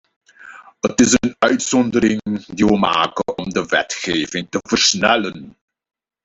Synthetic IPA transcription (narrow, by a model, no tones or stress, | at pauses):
ətɪsənœɥtsɔndəɾɪŋdiʋəma̰ːkənɔmdəʋɛ̰tχeːvɪŋtəvərsnɛlən